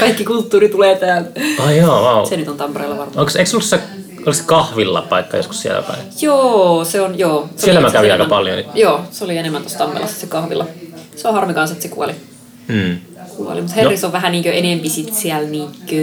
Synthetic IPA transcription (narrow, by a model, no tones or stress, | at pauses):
kɑikːikult̪ːuːrit̪uleːt̪æːlt̪ɑjɑːwɑusenyt̪ont̪ɑmpereilːɑʋɑrmɑoŋkseikseolːusse | olikse̥kɑhʋilːɑ̰pɑikːɑjo̰sku̥ssiḛlæ̰pɑ̰ijoːseonjoːsseielæmækæʋiɑikɑpɑljo̰joːseolienemːænt̪ost̪ɑmːḛlʔɑ̰ssekɑhʋḭlːɑseohɑrmikɑnset̪sekṵo̰liː | kuo̰lḭmut̪herːisoʋæɦæniːŋkøʔenempisit̪siælniːŋkø